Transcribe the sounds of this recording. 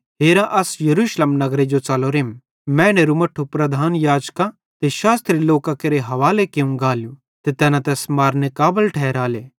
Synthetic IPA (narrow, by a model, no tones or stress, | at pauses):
ɦeːɾãʔɐsjɐɾuːʃleːmnɐɡɾed͡ʒot͡sɐloɾeːm | mɛ̃ːñeɾumɐʈʰːupɾɐd̪ʱaːnjaːd͡ʒka | t̪eʃaːst̪ɾiloːkakɐɾeɦɐʋaːlekeũɡaːlju | t̪et̪ɛːnãt̪ɛːsmaːɾnekaːbəlʈʰɛːɾaːleː